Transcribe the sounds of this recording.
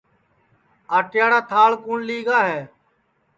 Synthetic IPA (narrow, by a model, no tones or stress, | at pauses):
aːʈɪjaːɽaːt̪ʰaːlkuːɳliːɡaːɦeː